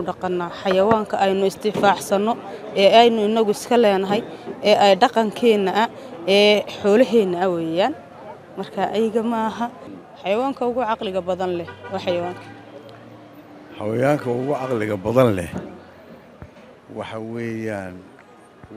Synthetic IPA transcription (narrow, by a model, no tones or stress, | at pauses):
ʊɖɑqɑnːaːħɑjɐwaːŋkʰɐʔɛjnʊɪst̪ʰɪfɑːʕsɐnɔ | ɛːɛjnʊɪnɐɣʊɪskʰɐlɛːnɐɦɛjɛːʔɛjɖɑqɑŋkʰɛːnːɐʔɐ | ɛːħɔːlɐɦɛːnːɐɐwɛːjaːn | mɐrkʰɐʔɐjɣɐmɐɦɐ | ħɑjɐwaːŋkʰɐʊɣʊʕɑqlɪɣɐbɐðɐnlɛwɑħɑjɐwaːŋkʰɐ̥ | ħɑ̰wɐjaːŋkʰɐʊɣʊʕɑqlɪɣɐbɐðɐnlɛ̰ | wɑħɑwɛːjaːn